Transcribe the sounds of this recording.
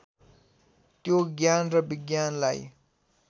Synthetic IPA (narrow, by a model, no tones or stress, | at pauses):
t̪joɡjanɾəbiɡjanlaj